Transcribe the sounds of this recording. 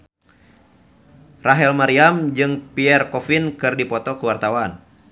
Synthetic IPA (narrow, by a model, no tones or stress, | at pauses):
raɦɛlmaɾiamd͡ʒɨŋpiɛrkɔfinkɨrdipɔt̪ɔkəwart̪awan